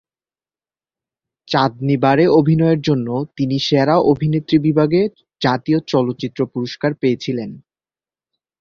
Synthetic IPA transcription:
t͡ɕad̪̚nibaɾeobʱinɔeɾd͡ʑonːot̪iniʃeɾaʔobʱinet̪ːɾibibʱaɡe | d͡ʑat̪iot͡ɕɔlot̪ːɕit̪ːɾopuɾoʃkaɾpeet͡ɕʰilen

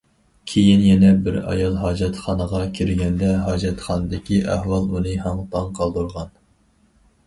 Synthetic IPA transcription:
kʲʰejinjɛnɛbɪɾɑ̰jɑlˠɦɑːd͡ʒɑt̪χɑnəʁɑkʲʰiɾɡʲɛnd̪ɛɦɑːd͡ʒɛt̪χɑnɨd̪ɪkʲiʔæ̰hwɑlˠunɨɦɑŋt̪ʰɑŋqʰɑlˠd̪uɾʁɑn

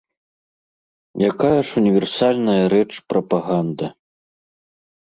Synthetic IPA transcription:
jakajɐʂunʲivʲɛrsalʲnɐjɐɾɛt͡ʂpɾɐpaɣand̪ɐ

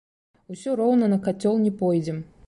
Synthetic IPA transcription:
usʲɔɾɔwnɐnɐkat͡sʲːɔlˠnʲɛpɔjd͡zʲɪm

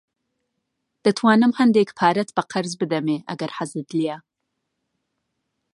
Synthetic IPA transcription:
d̪̥ɐt̪ʰwɑːnɨmhɐnd̪eːkpʰɑːɾɐt̪b̥ɐqʰɐɾzbɨd̪ɐmeːʔɐ̰ɡɐɾħazɨd̪lija

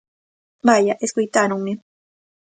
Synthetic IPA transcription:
majaʔeskʊjt̪anʊmɪ

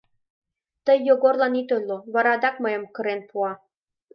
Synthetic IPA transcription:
t̪əjːoɣorlɑnit̪ojloβɑɾɑd̪ɑk̚məjə̆mkə̆ɾenpuɑ

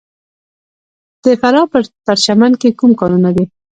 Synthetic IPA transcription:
d̪̥əfaɾɑpət̪aɾʃamankekumkɑnunad̪e

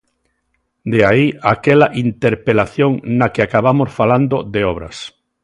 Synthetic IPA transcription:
d̪eaiakɛlaʔint̪eɾpelaθjoŋnakeakaβamosfaland̪od̪eɔβ̞ɾɐ̰s

